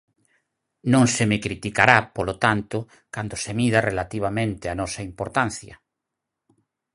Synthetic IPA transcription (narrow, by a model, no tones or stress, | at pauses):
nõŋsemekɾit̪ikaɾapolot̪ant̪ʊ | kand̪osemiðarelat̪iβ̞amẽnt̪eanɔsɐimpoɾt̪anθjɐ̰